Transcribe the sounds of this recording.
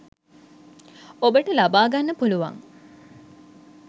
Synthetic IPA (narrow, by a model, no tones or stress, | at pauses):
obəʈəlabaːɡanːəpuluʋa̰ŋ